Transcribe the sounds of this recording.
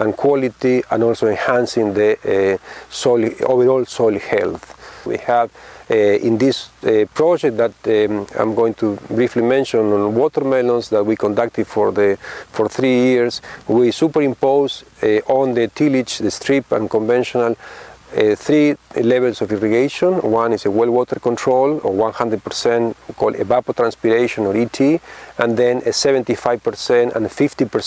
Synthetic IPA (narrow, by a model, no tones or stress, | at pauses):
ãnkʰwɔlit̪iã̰nɔlsoẽnhãnsĩŋd̪e | solo̰vəɾolsojlhɛlθwḭhav | ḭ̃nd̪ispɾod͡ʒɛk̚t̪̚d̪at̪ã̰jmɡoĩŋt̪ʰubɾiflimẽnʃõnõnwɔt̪əɾmelõnsðat̪̚wikõnd̪ak̚t̪id̪foɾðefoɾθɾijiɾswisupəɾĩmpowsʔõnd̪et̪ilit͡ʃðest̪ɾipã̰nkõɱvẽnʃõnal | θɾileβelsofiriɡejʃõnwãnisewelwot̪əɾkõnt̪ʰɾolowãnhãndɾed̪̚pəɾsɛ̃nkʰolḛbapot̪ɾãnspiɾeʃõnoɾit̪ʰiãnd̪ẽneseβẽnt̪ifajv̥pəɾsɛ̃ntã̰nfift̪ipə